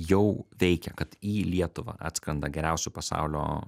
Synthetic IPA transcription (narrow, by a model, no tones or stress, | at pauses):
jɛʊʋʲɛɪkʲɛkɐt̪iːlʲiɛt̪ʊʋɐ̰ʔɑ̰ːt̪skɾɐnd̪ɐɡʲɛɾʲæˑʊsʲʊpɐsɑ̰ʊlʲo̰ː